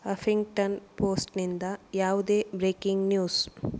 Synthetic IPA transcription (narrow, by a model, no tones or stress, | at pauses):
ɐfʰiŋɡʈɐnpoːsʈnind̪ɐjaːʋud̪eːbɾeːkiŋɡnjuːs